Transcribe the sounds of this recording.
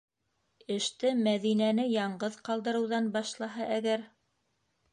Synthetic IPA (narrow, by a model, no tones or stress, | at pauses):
ɘ̆ʃt̪ɘmæðinænɘjɑɴɢɤðqɑlˠd̪ɤ̆ɾɤ̆wðɑnbɑʃlˠɑɦɑʔæɡæɾ